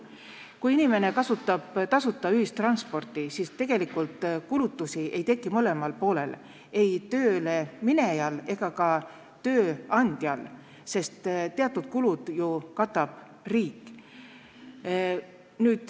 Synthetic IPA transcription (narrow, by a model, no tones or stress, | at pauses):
kujinime̞ne̞kɑsut̪ːˑɑb̥t̪ɑsut̪ˑːɑyɦist̪ːrɑnspo̞rt̪ˑisiːst̪e̞ɡ̥e̞likːˑult̪ˑkulut̪ːusiʔe̞jt̪e̞kːˑimɤle̞mɑlpo̞ːle̞̰l | e̞jt̪ø̞ːlemine̞jɑle̞ɡ̥ɑkɑ | t̪ø̞ːɑnʲd̪̥jɑl | se̞st̪t̪eɑt̪ːˑud̪̥kulud̪̥jukɑt̪ːˑɑb̥ | riːkˑː | nyːd̪̥